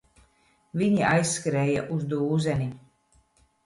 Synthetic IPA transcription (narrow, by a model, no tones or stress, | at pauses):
viɲiajsːkɾɛːjaʔuzd̪uːzɛni